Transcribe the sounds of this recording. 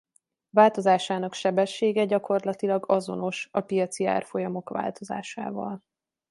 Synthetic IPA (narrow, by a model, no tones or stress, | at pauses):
vaːlt̪o̞zaːʃaːnɒkʃɛbɛʃːeːɡɛɟɒko̞rlɒt̪ilɒɡɒzo̞no̞ʃɒpijɒt̪sia̰ːrfo̞jɒmo̞kʋa̰ːlt̪o̞za̰ːʃa̰ːvɒ̰l